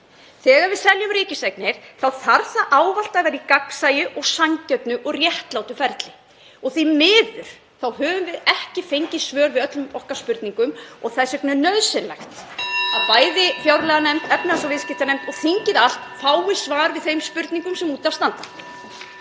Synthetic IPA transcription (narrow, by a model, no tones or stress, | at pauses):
θɛːɣaɾvɪðsɛljʏmɾɪːcɪseknɪɾ̥θawθaɾθaʔaːwval̥t̪avɛɾikaksaːjʏʔɔɣsaŋcœt̪nʏʔɔɣrjɛht̪laːwt̪ʏfɛɾt̪lɪ | ɔɣθimɪːðʏɾ̥ | θawhœːvʏmvɪðɛhcɪfejɲcɪsvœːɾvɪðœt̪lʏmɔhkaspʏɾt̪niŋkʏmɔɣθaðsɛknnœðsɪnlɛjxt̪aðpaːjðɪfjawɾlɛɣanɛmt̪ɛpnɪasɔvɪscɪht̪anejmt̪ɔɣθiɲcɪðal̥t̪faːwɪsvaːɾvɪðθejmspʏɾt̪niŋkʏmsɛmuːt̪avst̪ant̪a